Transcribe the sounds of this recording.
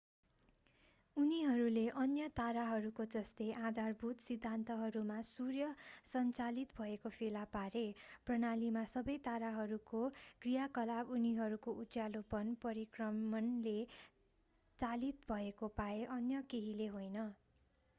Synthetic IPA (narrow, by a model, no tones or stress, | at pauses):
uniɦʌɾuleʔʌnjʌt̪aɾaɦʌɾukod͡zʌst̪eʔãd̪ʱarbʱut̪sid̪ʱːant̪ʌɦʌɾumasurjʌsʌnt͡salit̪bʱʌekopʰelapaɾeprʌnalimasʌbʌjt̪aɾaɦʌɾukokrijakʌlabuniɦʌɾukoʔualopʌnpʌɾikrʌmʌnle | t͡salit̪bʱʌekopaeʔʌnjʌkeɦileɦojnʌ